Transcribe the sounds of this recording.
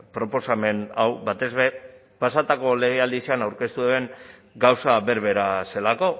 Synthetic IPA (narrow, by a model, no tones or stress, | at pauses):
pɾo̞po̞same̞nawβat̪e̞zβe̞ | pasat̪ako̞le̞ɣ̞eald̪isianawɾke̞st̪ueβe̞ŋɡawsaβe̞ɾβe̞ɾase̞lako̞